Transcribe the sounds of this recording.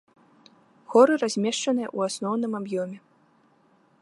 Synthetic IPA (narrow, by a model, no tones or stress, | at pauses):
xɔɾɨrazʲmʲɛʂt͡ʂɐnɨjɐ̰ʔuasnɔwnɨmabjɔmʲɛ